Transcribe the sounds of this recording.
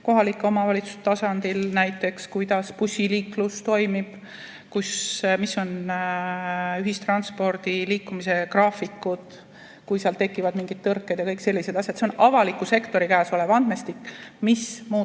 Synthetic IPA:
ko̞ɦɑlikːˑo̞mɑvɑlit̪su̥st̪ɑsɑnd̪̥ilnæjt̪ːˑe̞kskujd̪̥ɑspusʲːiliːklust̪o̞jmib̥ | kusmisːo̞n | yɦist̪rɑnspo̞rd̪̥iliːkːumise̞krɑːfikːˑud̪̥ | kujseɑlt̪e̞kːˑivɑd̪miŋɡid̪̥̚t̪ɤrkːed̪̥jɑkɤjkse̞lːised̪ɑsʲjɑt̪seo̞nɑvɑlikːˑuse̞kt̪o̞ɾikæːso̞levɑnd̪̥me̞st̪ikːmismuː

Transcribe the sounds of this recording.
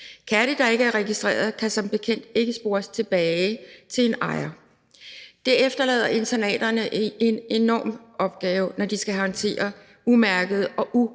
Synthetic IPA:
kʰæɾəd̥ɑ̈e̝ɡ̥əæɐʁɛɡ̥isd̥ʁɛ̰ːɐð̩ˠkʰæsɒ̽mb̥e̝kʰen̰d̥̚e̝ɡ̥əsb̥o̝ːɐst͡sʰe̝b̥ɛːt͡sʰe̝e̝nɑ̈ɪɐ | d̥eɐefd̥ɐlɛ̰ːð̞̰ˠɐe̝nt͡sʰænɛ̰ːd̥ɐnəʔee̝ne̝nɒ̰ːmɒ̽b̥̚ɡ̥ɛːʊnɒd̥isɡ̥æhɒnt͡sʰe̝̰ːɐ | umæɐɡ̥ð̩ˠɒ̽ʔu

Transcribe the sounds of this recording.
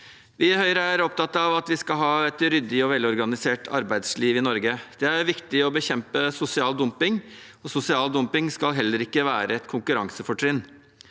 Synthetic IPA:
ʋɪæhœʏɾəæɾɔp̚t̪ɑt̪ːɑʋɑt̪ʋɪskɑlɦɑːɛt̪ɾʏd̪ɪɔʋɛlɔɾɡɑnɪseːʈɑ̰ɾbæɪd̪sliːʋɪnɔɾɡəd̪̥ɛæɾʋɪkt̪ɪɔbəçɛmpəsʊsɪɑːld̪ʊmpɪŋ | ɔsʊsɪɑːld̪ʊmpɪŋskɑlɦɛlːəɾɪkːəʋæːɾəɛt̪kʰʊŋkʉɾɑŋsəfɔʈʰɾɪn

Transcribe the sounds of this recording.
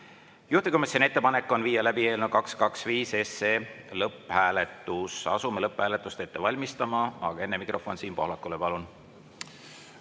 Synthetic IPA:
juht̪ikumesene̞t̪ːe̞pɑne̞kːˑo̞nviːjːɑlæbie̞ːlnud̪̥̚kɑkskɑksviːse̞se | lɤpːˑhæːlet̪ːˑusɑ̰sumelɤpːhæːle̞t̪ːˑust̪e̞t̪ːe̞vɑlʲmist̪ɑmɑɑ̰ɡ̥ɑe̞nːemikro̞fo̞nsiːnpo̞hlɑkːˑulepɑlun

